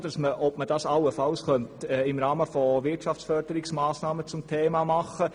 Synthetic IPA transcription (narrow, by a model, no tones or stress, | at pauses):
d̥̪ə̥sməʔɔpməd̥ɑsɑwəfɑlsχœntɛɪmɾɑːməfɔʋɪtʃɑft͡sfœɾd̥əɾɪksmɑːsnɑːmət͡sʊmtʰeːmɑmɑχːə